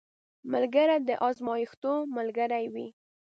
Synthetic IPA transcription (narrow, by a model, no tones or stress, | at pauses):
malɡaɾad̪əʔɑzmɑjixt̪omalɡaɾajwi